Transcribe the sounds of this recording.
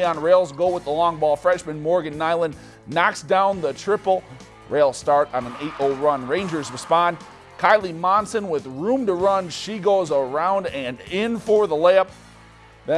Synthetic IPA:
ə̃nɹeɪlˠzɡoʊwəðəlɔ̃ŋbɔlˠfɹɛ̃nʃmɨ̃nmɔɹɡɨ̃nːaɪlˠə̃nː | ɑksd̥ãʊ̃nðətʰɹ̥ɪpl̩ˠ | ɹeɪlˠstɑɹɾnɨ̃neɪɾoʊlˠɹʌ̃nɹẽɪ̃nd͡ʒə˞zɹɨspɑ̃n | kʰaɪlˠimɑ̃nsɨ̃nwɪðɹũmtɨɹʌ̃nʃiɡoʊzə˞ãʊ̃ndɨ̃nɪ̃nfə˞ðəlæp̚ | ðɨ̃

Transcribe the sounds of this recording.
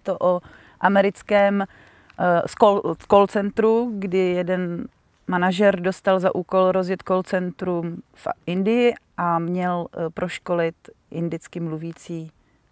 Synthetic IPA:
t̪oʔo | ʔamɛɾɪt͡skɛːm | skokolt͡sɛnt̪ɾuɡdɪjɛdɛn | manaʒɛɾdo̞st̪alzaʔuːko̞lɾo̞zjɛt̪kolt͡sɛnt̪ɾumfʔɪndɪjɪʔamɲɛlpɾo̞ʃkolɪt̪ | ʔɪndɪt͡skɪmluviːt͡siː

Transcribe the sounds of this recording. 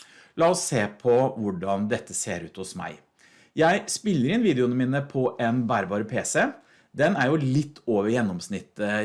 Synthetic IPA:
lɑːɔsːeːpʰɔʋʊɖɑnd̪ɛt̪ːəseːɾʉːt̪hʊsmæ̰ɪ | jæɪspɪlːəɾɪnʋiːd̪ɪʊnəmiːnəpʰɔʔɛnbæːɾbɑːɾəpʰeːsə | d̪ɛnæɾjʊlɪt̪ʰːoːʋəɾjɛnːɔmsnɪt̪ːə

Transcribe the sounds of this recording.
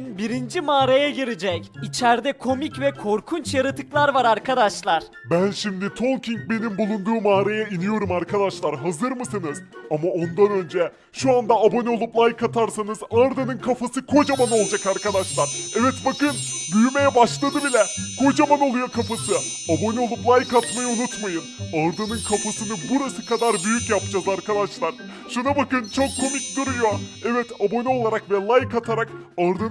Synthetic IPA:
biɾind͡ʒimaːɾajaɟiɾid͡ʒɛcit͡ʃʰɛɾd̪ɛkʰo̞micvɛkʰo̞ɾkʰunt͡ʃjaɾɯt̪ɯklˠaɾvaɾaɾkʰad̪aʃlˠaɾ̥ | bænʃimd̪it̪ʰo̞lˠciŋc̚be̞nimbulˠund̪uːmaːɾajainijo̞ɾumaɾkʰad̪aʃlˠaɾɦazɯɾmɯsɯnɯzamao̞nd̪anø̞nd͡ʒɛ | ʃuand̪aːbo̞nɛo̞lˠuplˠajkʰat̪ʰaɾsanɯzaɾd̪anɯnkʰafasɯkʰo̞d͡ʒamano̞lˠd͡ʒakaɾkad̪aʃlˠaɾɛvɛt̪bakɯnbyjme̞jɛbaʃlˠad̪ɯbilʲɛkʰo̞d͡ʒamano̞lˠujokʰafasɯ | abo̞nɛo̞lˠuplˠajkat̪majaunut̪majɯnaɾd̪ɯnɯnkʰafasɯnɯbuɾasɯkad̪aɾbyjycjapd͡ʒazaɾkad̪aʃlˠaɾ̥ | ʃunabakɯnt͡ʃʰo̞kʰːo̞mikd̪uɾujo̞ɛvɛt̪abo̞nɛo̞lˠaɾakvɛlˠajkʰːat̪ʰaɾak | aɾd̪ɯ

